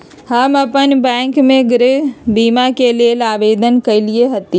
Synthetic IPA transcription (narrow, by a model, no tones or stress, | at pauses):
hɐmɐpənbɛ̃ːŋkmẽɡɾɪbiːmakelelaːʋeːd̪ənkɐilieɦɐt̪i